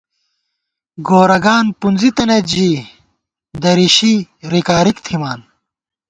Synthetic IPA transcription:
ɡoːɾɐɡaːnpunzit̪ɐnet̪d͡ʑiː | d̪ɐɾiɕiɾikaːɾikt̪ʰimaːn

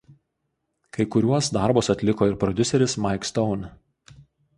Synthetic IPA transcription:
kɐɪkʊɾʲuɔsd̪ɑˑɾbʊsɐt̪ʲlʲɪkoːɪɾpɾɔd̪ʲʊsʲɛɾʲɪsmɑɪkst̪ɔʊn

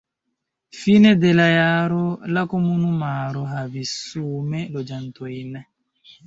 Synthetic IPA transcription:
finɛdelajaɾolakomunumaːɾoɦavisuːmɛlod͡ʒantojinɛ

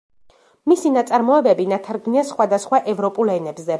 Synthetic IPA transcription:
misinat̪sʼaɾmɔɛbɛbinat̪ʰaɾɡniasχwad̪asχwaʔɛvɾɔpʼulˠɛnɛbzɛ

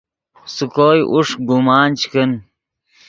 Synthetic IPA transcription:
sukoːjʔṵʂɡumaːnt͡ɕkən

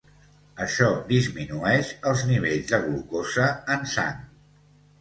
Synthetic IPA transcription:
əʃɔðizminuɛʃəlˠzniβ̞eʎzðəɣlukozəːnsa̰ŋ

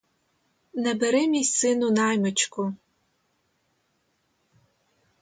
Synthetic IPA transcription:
nɐbɐɾɨmisɨnunaːjmɨt͡ʃʰkʷʰʼʊ

